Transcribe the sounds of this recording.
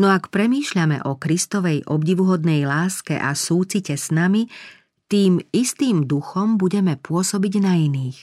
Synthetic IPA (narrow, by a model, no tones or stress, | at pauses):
nɔakpɾɛmiːʃʎamɛ̰ʔɔkɾist̪ɔʋɛjʔɔbɟiʋuɦɔd̪nɛjlaːskɛ̰ʔa̰suːt͡sicɛsnami | t̪iːmist̪iːmd̪uxɔmbuɟɛmɛpʊɔsɔbiɟnainiːx